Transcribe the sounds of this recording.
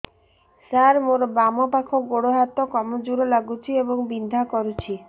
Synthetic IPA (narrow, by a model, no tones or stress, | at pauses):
saɾmoɾbamɔpakʰoɡoɽoɦat̪okɔmod͡ʒuɽolaɡut͡ʃʰieboŋbind̪ʱakɔɾut͡ʃʰi